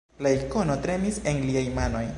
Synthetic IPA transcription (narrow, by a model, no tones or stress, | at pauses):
laiko̞no̞tɾe̞mise̞nliajmano̞j